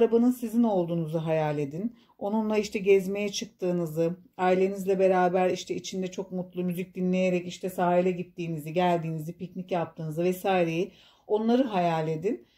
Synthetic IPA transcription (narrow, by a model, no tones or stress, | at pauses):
ɾabanɯnsizino̞lˠd̪uːnuzɯɦajalʲːe̞d̪in | o̞nunlˠaiʃt̪ʰɛɟɛzme̞jɛt͡ʃʰɯk̚t̪ʰɯːnɯzɯaːilʲenizlʲɛbe̞ɾaːbæɾiʃt̪ʰɛit͡ʃʰind̪ɛt͡ʃʰo̞kmut̪lˠumyzic̚d̪inlʲe̞jeɾɛciʃt̪ʰɛsaːɦilʲɛɟit̪ːiːniziɟælʲd̪iːnizipicnicjap̚t̪ʰɯːnɯzɯvɛsaːjiɾe̞ji | o̞nlˠaɾɯɦajalʲe̞d̪in